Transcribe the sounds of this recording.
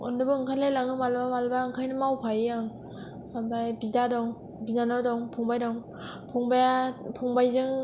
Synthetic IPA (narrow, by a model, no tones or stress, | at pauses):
ɔndɯbɯɯŋkʰalelaŋɯmalbamalbaɯŋkʰajnɯmawpʰajɯaŋ | ambajbidadɔŋ | binanɔdɔŋpʰɔŋbajdɔŋ | pʰɔŋbajpʰɔŋbajzɯŋ